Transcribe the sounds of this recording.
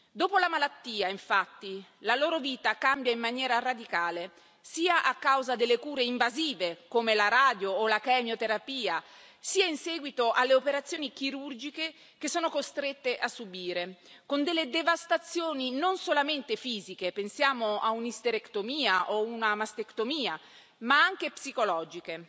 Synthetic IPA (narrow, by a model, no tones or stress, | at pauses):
d̪oːpolamalat̪ːiːaiɱfat̪ːilaloːɾoviːt̪akambjaimːanjɛːɾarad̪ikaːle | siːaʔakːawzad̪elːekuːɾeiɱvaziːvekoːmelaɾaːd̪joːlakɛmjot̪eɾapiːa | siːainsɛːɡwit̪oʔalːeopeɾat̪sjoːnikiɾurd͡ʒike | k̟esːɔːnokost̪ɾet̪ːeʔasːubiːɾe | kond̪elːed̪evast̪at̪sːjoːninonsolament̪efiːzikepensjaːmoa̰unist̪eɾekt̪omiːaʔounamast̪ekt̪omiːa | maaŋk̟epsikolɔːd͡ʒike